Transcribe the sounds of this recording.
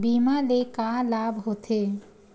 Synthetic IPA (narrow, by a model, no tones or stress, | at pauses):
bimalekalabʱɦot̪ʰe